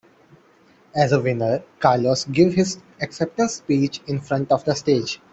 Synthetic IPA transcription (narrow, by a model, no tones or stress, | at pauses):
ɛzəʋɪ̃nəɾkaːɾlɔsɡɪʋhɪz | ɛksɛp̚ʈəspiːt͡ʃɪ̃nfɾʌ̃ɳʈɔfd̪əsʈeːd͡ʒ